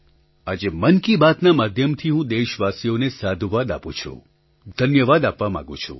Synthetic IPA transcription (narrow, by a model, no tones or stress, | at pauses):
ad͡ʒemənkibat̪namad̪ʱjəmt̪ʰiɦũd̪eʃʋasijonesad̪ʱuʋad̪apṵ̃t͡ʃʰṵ̃ | d̪ʱənjəʋad̪apʋamã̰ɡṵ̃t͡ʃʰṵ